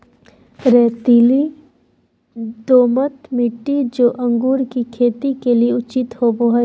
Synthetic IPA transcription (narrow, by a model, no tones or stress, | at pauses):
ɾɛːt̪ili | d̪oːmət̪mɪʈːid͡ʒoːʔɐ̃ŋɡuːɾkikʰeːt̪ikelieʊt͡ʃɪt̪hoboɦ